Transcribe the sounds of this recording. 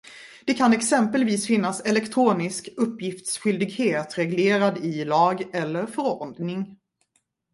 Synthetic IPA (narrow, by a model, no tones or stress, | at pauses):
d̪̥ɛkʰanɛksɛmpəlviːsfɪnːasɛlɛkt̪ʰɾuːnɪskɵpːjɪft̪sɧʏld̪ɪɡheːt̪ɾɛɡleːɾad̪ɪlɑːɡɛlːəɾfœɾɔɾɳd̪nɪŋ